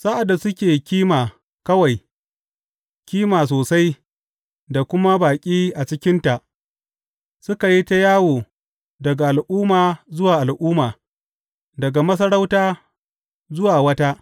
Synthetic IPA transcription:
sa˦ʔa˨dːa˨sʊ˦kʲeː˨kʲiː˦maː˨ | kɐ˦wa˨j | kʲiː˦maː˨s̬oː˨sa˦j | da˨kʷʊ˦ma˦baː˨kʲʼiː˦ʔa˨t͡ʃɪ˦kʲɪ˦nta˨ʔ | sʊ˦ka˨ji˦ta˦jaː˦woː˨ | dɐ˨ɡa˨ʔa˨lʔʊː˦maː˨zʊ˦waː˨ʔa˨lʔʊː˦maː˨ | dɐ˨ɡa˨mɐ˦s̬ɐ˦ɽa˦wtaː˦ | zʊ˦waː˨wɐ˦ta˦ʔ

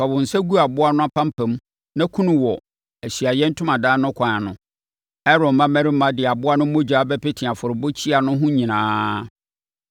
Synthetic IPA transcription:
fa˨bʊ˨n̩˨sɛ˦ɡu˦a˨bʊ˦a˦nʊ̃˦a˦pʰã˦m˦pʰæ̃˨m˦ | nã˦kʰũ˦nʊ̃˦wɔ˨ | æ˨ɕɥa˨jɛ˦n̩˦tʰʊ̃˦mã˨daː˦nʊ̃˦kʷʰã˨a˨nʊ̃˨ | ɛ˦ɾɔ˨mã˦mæ̃˦ɾɪ˦m˦mã˦dɪ˨a˨bʊ˦a˦nʊ̃˦mõ˦d͡ʑᶣaː˨˦bɛ˦pɪ˦tʰɪ̃˨a˨fʊ˨ɾɪ˨bʊ˦t͡ɕʰi˦a˨nʊ̃˦ɦʊ̃˦ɲĩ˨nãː˦

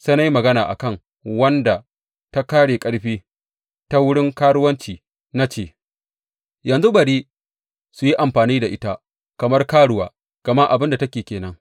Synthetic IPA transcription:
seː˦na˦ji˦mɐ˨ɡɐ˦naː˨ʔa̰˨kɐ˦˨ŋ | wɐ˦nda˨ | ta˦kaː˦ɽeː˨kʼɐ˦ɽɸiː˦ | ta˦wʊ˦ɽɪ˦ŋkaː˦ɽʊ˦wɐ˦nt͡ʃiː˨ | na˦t͡ʃeː˦˨ | jɐ˨nzu˦bɐ˨ɽiː˦ | su˨ji˦ʔa˨mɸaː˨niː˦da˨ʔɪ˦ta˦ | kɐ˨mɐ˦rkaː˦ɽʊ˨˦wa̰ː˨˦ | kɐ˨ma˦ʔa˨bɪ˦nda˨tɐ˦kʲeː˨kʲeː˨nɐ˦ŋ

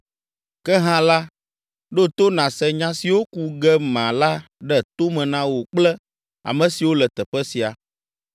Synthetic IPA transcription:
kɛ˦ɦã˦la˦ | ɖo˦t̪o˦nã˨sɛ˦ɲã˦si˨wo˦ku˦ɡɛ˦mã˨la˦ | ɖɛ˦t̪o˦mɛ̃˨nã˦wo˨k͡plɛ˦ | a̰˨mɛ̃˨si˨wo˦lɛ˨t̪ɛ˨ɸɛ˦si˨a˨

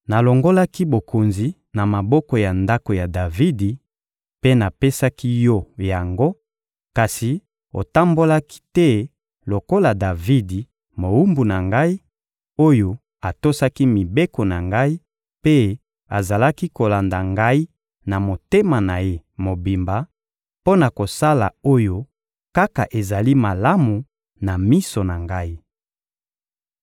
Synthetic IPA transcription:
na˨lo˨ŋɡo˦la˦ki˦bo˨ko˨nzi˨ | na˨ma˨bɔ˦kɔ˨ja˨nda˦ko˨ja˨da˨vi˦di˨ | pe˦na˨pe˦sa˦ki˦jɔ˦ja˨ŋɡo˦ | ka˨si˨ | o̰˨ta˦mbo˦la˦ki̥˦tɛ˦ | lo˨ko˦la˨da˨vi˦di˨ | mo˨u˦mbu˨na˨ŋɡa˦i˦ | o˦jo˨ | a˨to˦sa˦ki˦mi˨be˦ko˨na˨ŋɡa˦i˦ | pe˦ | a̰˨za˨la˦ki˦ko˨la˨nda˨ŋɡa˦i˦ | na˨mo˨te˦ma˨na˨je˦mo˨bi˨mba˨ | po˦na˨ko˨sa˦la˨o˦jo˦ | ka˦ka˨ʔe˨za˨li˦ma˨la˦mu˨ | na˨mi˦so˨na˨ŋɡa˦i˦

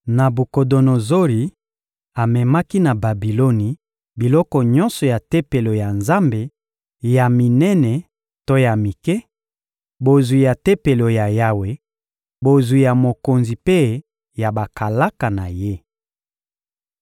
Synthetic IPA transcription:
na˨bu˨ko˨do˨no˨zo˦li˨ | a˨mɛ˨ma˦ki˦na˨ba˨bi˨lo˦ni˨ | bi˨lɔ˦kɔ˨ɲɔ˦nsɔ˨ja˨te˦pe˨lo˨ja˨nza˦mbe˨ | ja˨mi˨nɛ˦nɛ˨ | to˦ja˨mi˨kɛ˦ | bo˨zwi˨ja˨te˦pe˨lo˨ja˨ja˦we˨ | bo˨zwi˨ja˨mo˨ko˨nzi˨pe˦ | ja˨ba˨ka˨la˦ka˨na˨je˦

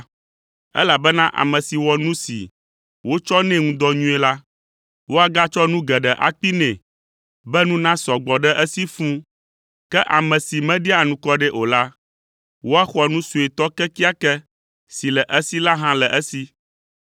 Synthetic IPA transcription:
ɛ̰˦la˨bɛ˦nã˦ʔa̰˨mɛ̃˨si˨wɔ˨nũ˦sḭ˨ | wo˦t͡ʃɔ˦nɛ̃˦ŋũ˦d̪ɔ˦ɲũ˦ɛ˨la˦ | wo˦a˨ɡa˦t͡ʃɔ˦nũ˦ɡɛ˨ɖɛ˨ʔa̰˨k͡pi˦nɛ̃˨ | bɛ˦nũ˦nã˦sɔ˨ɡ͡bɔ˨ɖɛ˦ʔɛ˦si˦fũ˦ | kɛ˦ʔa˨mɛ̃˨si˨mɛ̃˦ɖi˦a˨nũ˨kɔ˦ɖɛ˦ʔo˨la˦ | wo˦a˦xɔ˦nũ˦su˨e˨t̪ɔ˦kɛ˦ki˦a˦kɛ˦ | si˨lɛ˨ʔə˦si˦la˦ɦã˦lɛ˨ʔɛ˦si˦

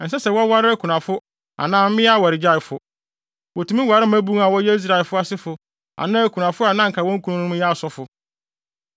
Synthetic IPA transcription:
n̩˨sɛ˦sɛ˨wɔ˦wa˦ɾɪ˦æ˦kʰu˨nã˨fʊ˦ | a̰˨nãː˦m̩˦mɪ̃˦a˦˨wa˨ɾɪ˨d͡ʑa˦˨ɪ˨fʊ˨ | wɔ˨tʰũ˨˦mĩ˦wa˨ɾɪ˦m˦æ˦bu˦a˨wɔ˦jɛ˦i˦s̬ɾa˨lfʊ˦a˦sɪ˦fʊ˨ | a̰˨nãː˦æ˦kʰu˨nã˨fʊ˦a˨nã˦ŋ̩˨kʰa˨wɔ̃˦ŋ̩˦kʰu˨˦nũ˦nʊ̃˦ja˦a˨sɔ˦fʊ˨

